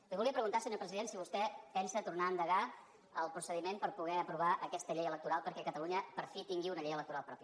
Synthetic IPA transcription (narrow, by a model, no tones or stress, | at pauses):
liβulˠiəpɾəɣunt̪asəɲoɾpɾəziðensiβust̪ɛpɛnsət̪urnaənd̪əɣa | əlˠpɾusəðimenpəɾpuɣɛəpɾuβ̞aʔəkɛst̪əʎejələk̚t̪uɾalˠpəɾkɛkət̪əluɲəpəɾfit̪iŋɡiunəʎejələk̚t̪uɾalˠpɾɔpjə